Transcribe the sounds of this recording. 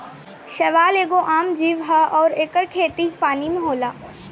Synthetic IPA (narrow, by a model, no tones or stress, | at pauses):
ʃɐʋaːleːɡoʔaːmd͡ʒiːʋɦaɔːɾeːkəɾkʰeːt̪ipaːnimẽɦoːlaː